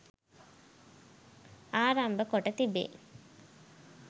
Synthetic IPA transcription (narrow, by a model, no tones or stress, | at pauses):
aːɾambəkoʈət̪ibḛː